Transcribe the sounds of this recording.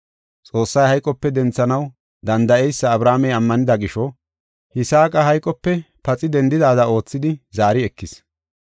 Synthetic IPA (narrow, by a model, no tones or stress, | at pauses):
t͡sʼo̞ːsːɐjhɐjkʼɔpːɛd̪ɛnt͡sːɐnɐw | d̪ɐnd̪ɐʔɛjsːɐːbɾaːmɛjɐmːɐnɪd̪ɐɡɪʃɔ | hɪsaːkʼɐɦɐjkʼɔpːɛ | pɐt͡sʼɪd̪ɛnd̪ɪd̪aːd̪ɐo̞ːt͡sːɪd̪ɪzaːɾɪɛkːɪs